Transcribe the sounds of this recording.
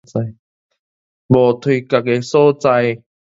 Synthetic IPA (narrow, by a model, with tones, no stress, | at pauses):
t͡sa˧j | bo˨t̪ʰi˧˨ka˨ke˧so˦t͡sa˧j